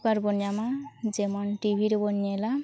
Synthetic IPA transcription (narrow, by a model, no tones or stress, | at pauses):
kaɾbɔnjamad͡ʒemɔnʈibʱiɾebɔnjajla